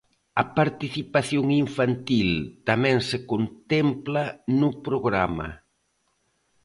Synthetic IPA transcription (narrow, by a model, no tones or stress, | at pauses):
ɐpaɾt̪iθipaθjoŋiɱfant̪ilt̪amɛ̃ŋsekont̪ɛmplanʊpɾoɣɾama̰